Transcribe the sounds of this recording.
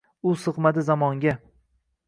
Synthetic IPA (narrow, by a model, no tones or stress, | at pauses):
ʊsɨqmad̪ɪzamɒŋɡʲa